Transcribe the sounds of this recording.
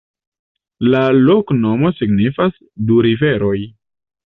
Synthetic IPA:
lalo̞kno̞mo̞siɡnifas | duɾive̞ɾo̞j

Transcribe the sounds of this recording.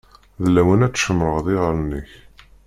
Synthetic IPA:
ðəlːæwənæt͡sːʃəmɾəʁðɪʁəɾənːəç

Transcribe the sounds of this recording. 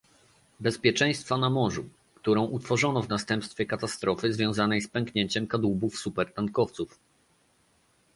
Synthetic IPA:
bɛspʲjɛt͡ʂɛ̃j̃st̪fanamɔʐu | kt̪uɾɔ̃w̃ʔut̪fɔʐɔnɔvnast̪ɛmpst̪fʲjɛkat̪ast̪ɾɔfɘzvʲjɔ̃w̃zanɛjspɛŋkɲeɲt͡ɕɛmkad̪ubufsupɛɾt̪ankɔft̪suf

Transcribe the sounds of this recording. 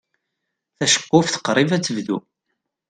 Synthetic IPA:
θæʃə̥qːʊfθə̥qːɾˤivæt͡sːəvðṵ

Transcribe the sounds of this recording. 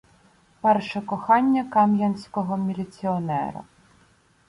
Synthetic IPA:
pɛrʃɛkɔxɑnʲːɐkɑmjɐnʲsʲkɔɦɔmʲilʲit͡sʲiɔnɛ̰ɾɐ̰

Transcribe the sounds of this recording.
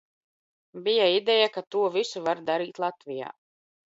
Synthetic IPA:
bijaid̪ɛjakat̪uɔvisuvaɾd̪aɾiːt̪lˠat̪vija̰ː

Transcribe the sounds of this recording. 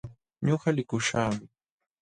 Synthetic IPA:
ɲoɢɑlɪkʊʃaːmɪ

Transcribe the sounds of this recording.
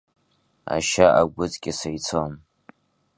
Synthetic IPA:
a̰ʃaʔaɡʷʊt͡sʼkʲʼɪsajt͡sʰon

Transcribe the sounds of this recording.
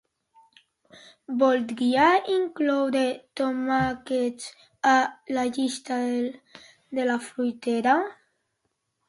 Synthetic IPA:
bɔlt̪ɡiaiŋklɔwɾet̪omakes | alaʎist̪a | d̪elafɾujt̪eɾa

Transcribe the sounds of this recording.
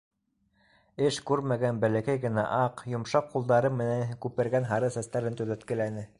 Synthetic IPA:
ɘʃkʉɾmæɡænbælækæjɡɘ̆næ̰ʔɑqjŏmʃɑqːulˠd̪ɑɾɤmːɘ̆næŋkʉpɘ̆ɾɡænɦɑɾɤsæst̪æɾɘnt̪ɵðæt̪kɘ̆lænɘ

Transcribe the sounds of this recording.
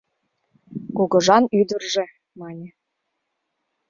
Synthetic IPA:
koɣɤ̆ʒɑnyd̪ə̆rʒĕ | mɑnʲĕ

